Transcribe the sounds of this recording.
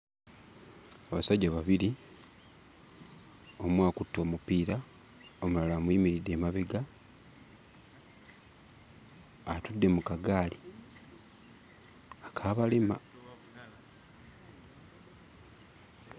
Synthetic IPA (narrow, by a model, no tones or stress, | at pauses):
aβasaɟːaβaβili | o̞mwaːkutːo̞ːmupiːɾa | omulalaːmwiːmiɾidːe̞ːmaβeɡa | tudːe̞mukaɡaːli | akʰaːβalema̰